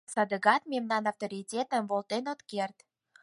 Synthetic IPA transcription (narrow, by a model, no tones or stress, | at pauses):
sɑd̪əɣɑt̪memnɑnɑft̪oɾʲitʲet̪əmbolˠt̪enot̪kert̪